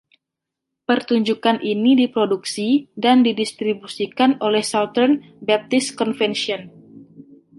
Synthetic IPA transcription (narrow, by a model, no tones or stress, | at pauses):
pərt̪uɲd͡ʒukanʔinidipɾoduksidandidist̪ɾibusikanolɛhsalt̪ərn | bɛp̚t̪ɪskɔnfɛnʃiɔn